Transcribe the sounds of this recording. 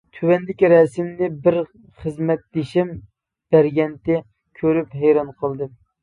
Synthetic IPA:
t̪ʰywɛnd̪ɪkʲɾɛsɪmnɪbɪɾ | χəzmɛt̪̚d̪eʃɪm | b̥æɾɡʲɛnt̪ɪ | kʲʰøɾyphɛjɾɑnqʰəlˠd̪ɨ

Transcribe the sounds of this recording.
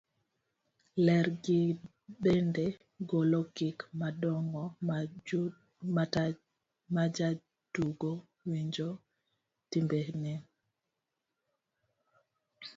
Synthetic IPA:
lɛɾɡi | ɗende | ɡolɔkikmadɔŋɔ | mat | mad͡ʒa | tuɡo | wiɲd͡ʒo | timbehni

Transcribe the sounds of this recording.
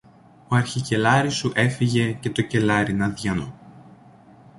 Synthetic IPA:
oɐɾçice̞lɐɾisuʔe̞fiʝe̞ce̞t̪o̞ce̞lɐɾinɐðʝɐno

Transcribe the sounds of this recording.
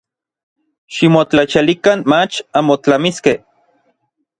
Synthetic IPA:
ʃimot͡ɬat͡ʃalikanmat͡ʃamot͡ɬamiskeh

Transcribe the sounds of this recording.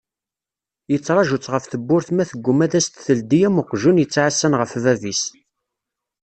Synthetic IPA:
jət͡sːɾˤɑʒʊt͡sʁəfθəbːʊɾθmæθəɡʷːʊmæðæst̪θəld̪ijæmʊqʒunjət͡sːʕasːænʁəfvævis

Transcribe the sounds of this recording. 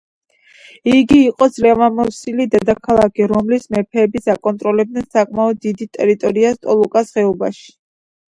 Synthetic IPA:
iɡiːqʼɔd̪z̥lɛvamɔsilid̪ɛd̪akʰalˠakʰiɾɔmlismɛpʰɛːbisakʼɔnt̪ʼɾɔlɛb̚d̪nɛnsakʼmaɔd̪ːid̪it̪ʼɛɾit̪ʼɔɾiast̪ʼɔlˠukʼasʁɛɔba̰ʃi̥

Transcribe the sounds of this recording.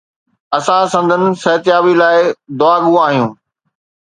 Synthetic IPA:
ɐsãsɐ̃nd̪ʱənɪ̆sɐɦt̪jaːʋilaːɪd̪ʊaːɠũaːɦijũː

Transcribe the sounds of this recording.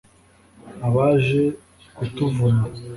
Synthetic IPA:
aβaʒe | kutuvuna

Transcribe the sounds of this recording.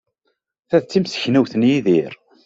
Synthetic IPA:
θæðt͡sːimsə̥çnæwθnjiðiɾ

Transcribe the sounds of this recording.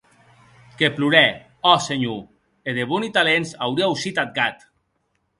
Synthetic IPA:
kepluɾɛ | ɔseɲu | eðeβunit̪alensawɾiauwsit̪at̪̚ɡat̪

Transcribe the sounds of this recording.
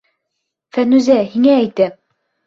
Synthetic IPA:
fænʉzæhiŋæːjt̪ɘ

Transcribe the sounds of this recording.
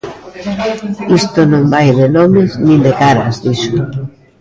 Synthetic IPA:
ist̪onõmbajðenomeznĩnd̪ekaɾa̰zðiso

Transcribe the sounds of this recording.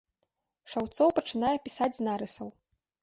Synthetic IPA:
ʂawt̪sɔwpɐt͡ʂɨnajɛpʲisad͡zʲznaɾɨsɐw

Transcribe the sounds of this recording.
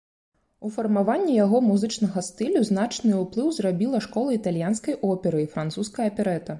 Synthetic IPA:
ufɐrmavanʲːijaɣɔmuzɨt͡ʂnɐɣɐst̪ɨlʲuzn̪at͡ʂnɨuplˠɨwzrabʲilˠɐʂkɔlˠɐit̪alʲjanskɐjʔɔpʲɛɾɨifɾant̪suskɐjɐpʲɛɾɛt̪ɐ

